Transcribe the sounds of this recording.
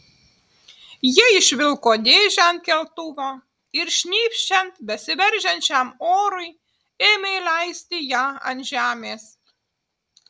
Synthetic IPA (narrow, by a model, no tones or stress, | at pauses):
jɪɪʃʲʋʲɪlˠkod̪ʲeːʒʲænt̪kʲɛlt̪uʋo | ɪɾʃʲnʲiːpʲʃt͡ʃʲɛnt̪bʲɛsʲɪʋʲɛɾʲʒʲɛnʲt͡ʃʲæmoːɾʊj | eːmʲeɪlʲæɪsʲt̪ʲɪjɑɐ̰nʒʲæːmʲeːs